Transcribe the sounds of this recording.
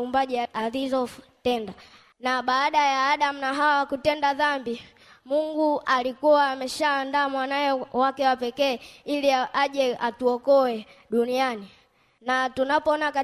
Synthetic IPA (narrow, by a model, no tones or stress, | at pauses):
umbaʄɛalizɔtɛnda | naɓaːɗajaːɗam̩naɦawakutɛndaðambi | muŋɡuʔalikuwaːmɛʃaːndaːmwanawɛwakɛwapɛkɛːiliʔaʄɛʔatuɔkɔwɛɗuniani | natunapɔɔnaka